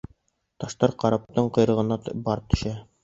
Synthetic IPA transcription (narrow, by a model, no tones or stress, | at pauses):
t̪ɒʃt̪ɑɾqɑɾɑp̚t̪ɤɴqŏjɾɤ̆ʁɤ̆nɑt̪bɒɾt̪ɵ̥̆ʃæ